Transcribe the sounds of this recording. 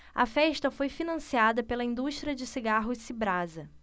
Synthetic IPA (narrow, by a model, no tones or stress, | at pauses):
ɐ̰fɛʃt̪ɐfojfinɐ̃siad̪ɐpelɐĩnd̪uʃt̪ɾiɐd͡ʒɪsiɡaɦʊsibɾazɐ